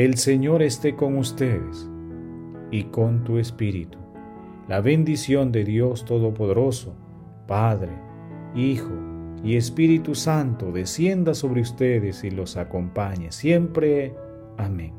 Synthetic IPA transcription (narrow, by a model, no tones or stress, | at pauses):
e̞lse̞ɲo̞ɾest̪e̞ko̞ŋust̪eðḛs | iko̞nt̪uespiɾḭt̪u̥ | laβend̪isjo̞nd̪e̞ðjo̞st̪o̞ðopoð̞eɾo̞so | paðɾe | ixoie̞spiɾit̪usant̪oðe̞sje̞nd̪aso̞βɾeust̪eðesilo̞sakompaɲesje̞mpɾe | amẽŋ